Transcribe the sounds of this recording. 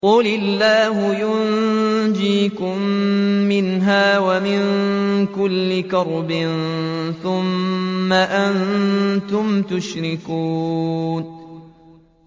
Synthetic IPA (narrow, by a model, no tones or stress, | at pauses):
qʊlɪlːaːɦʊjʊnd͡ʒiːkʊmː | ɪnɦaːwamɪŋkʊlːɪkɑɾˤbɪnθʊmːaʔant̪ʊmt̪ʊʃɾɪkuːn